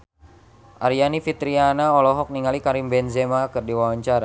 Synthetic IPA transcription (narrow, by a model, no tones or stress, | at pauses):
ʔaɾijanifit̪ɾianaɔlɔɦɔk̚niŋalikaɾimbɛnzɛmakərdiwawaɲt͡ʃaɾa